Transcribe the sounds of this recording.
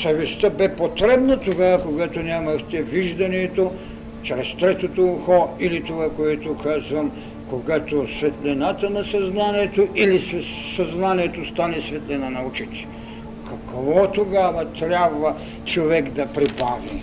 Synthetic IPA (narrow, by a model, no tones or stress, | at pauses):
sɐvɛst̪əbɛpot̪ɾɛbnɐt̪oɡavɐkoɡat̪onʲamɐxt̪ɛviʒd̪ɐniɛt̪o | t͡ʃɾɛst̪ɾɛt̪ot̪oxɔilit̪ovakoɛt̪okʰazvɐm | koɡat̪osvɛt̪lɛnat̪ɐnɐsɐznaniɛt̪oʔilisɛ | sɐznaniɛt̪ost̪anɛsvɛt̪lɛnɐnɐut͡ʃit̪ɛ̥ | kɐkvɔt̪oɡavɐt̪ɾʲjabvɐ | t͡ʃovɛkd̪ɐpɾibavḭ